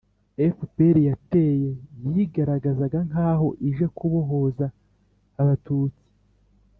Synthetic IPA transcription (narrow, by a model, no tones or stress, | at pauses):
efupeɾijate̞ːje̞jiɡaɾaɡazaɡaŋaːɦo̞ʔiʒekʰuβo̞ɦo̞zaː | βatuːt͡si̥